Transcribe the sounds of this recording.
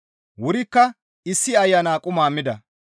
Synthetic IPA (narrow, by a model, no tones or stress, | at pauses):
wʊɾɪkːɐ | ɪsːɪɐjːɐnaːkʼʊmaːmɪd̪ɐ